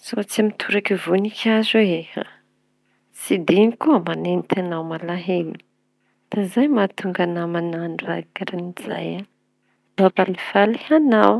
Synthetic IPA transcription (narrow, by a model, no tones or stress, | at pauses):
z̥ot͡siamit̪ʰuɾakivunikʰʲazeeha̰ | sid̪inikuəmanent̪anawmalaɦeni̥ | d̪̥azajmat̪uŋɡanamananakaɾaniz̥a̰ja | babalifalihanaw